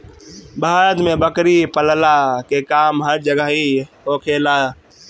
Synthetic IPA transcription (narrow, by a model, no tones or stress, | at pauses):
baːɾət̪mẽbəkɾipəllakeːkaːmɦəɾd͡ʒəɡaɦi | oːkʰeːlaː